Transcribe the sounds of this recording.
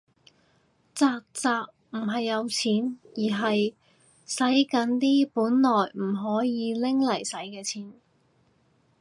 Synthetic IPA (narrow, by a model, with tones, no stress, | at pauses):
t͡saː˧k̚t͡saː˧k̚ | m̩˨˩ɦɐ˨jːɐ˨˧wt͡sʰiː˨˥njiː˨˩ɦɐ˨j | sɐ˨˥jkɐ˨˥nt̪iː˥puː˨˥nlɔː˨jm̩˨˩ɦɔː˨˥jiː˨˧lɪ˥ŋlɐ˨˩jsɐ˨˥jkɛː˧t͡sʰiː˨˥n